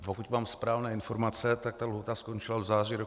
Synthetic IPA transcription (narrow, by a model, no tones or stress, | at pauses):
pokuc̪maːmspɾaːvnɛːɪnfo̞ɾmat͡sɛt̪ak̚t̪alɦut̪askont͡ʃɪlavzaːriːɾo